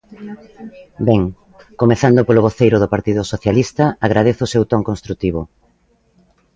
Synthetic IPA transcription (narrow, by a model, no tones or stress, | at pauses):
bɛŋ | komeθand̪opoloβ̞oθejɾʊðopaɾt̪iðʊsoθjalist̪ɐaɣ̞ɾað̞eθʊːsewt̪ɔŋkõnst̪ɾut̪iβ̞o